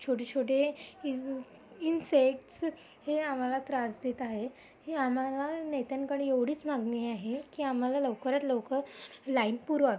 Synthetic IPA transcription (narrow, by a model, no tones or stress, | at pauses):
t͡ɕʰoʈet͡ɕʰoʈe | insek̚ʈs | heam̤alat̪ɾasd̪et̪aɦe | heam̤alanet̪ankəɽeʋɽ̤iːt͡sm̤aɡneaɦekiːam̤alaləʋkəɾat̪lowkəlainpuɾaʋe